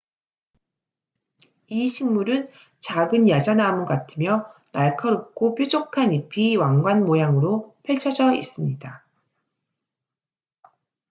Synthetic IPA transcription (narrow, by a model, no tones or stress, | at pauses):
iɕʰiŋmuɾɯn | t͡ɕaɡɯnjad͡ʑanamuɡatʰɯmjʌnaɭkʰʌɾop̚k͈opʰjod͡ʑokʰanipʰiwaŋɡwanmojaŋɯɾopʰjeɭt͡ɕʰʌd͡ʑʌḭs͈ɯmɲida